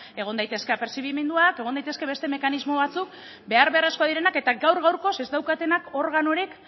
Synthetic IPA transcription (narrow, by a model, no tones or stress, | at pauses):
e̞ɣ̞o̞nd̪ajt̪e̞ske̞apɾesiɣimend̪uake̞ɣ̞o̞nd̪ajt̪eske̞βest̪eme̞kanizmo̞βat͡suk̚ | be̞aɾβe̞areskoaðiɾe̞nake̞t̪aɡawɾɣawɾko̞se̞zd̪awkat̪e̞nako̞ɾɣano̞ɾik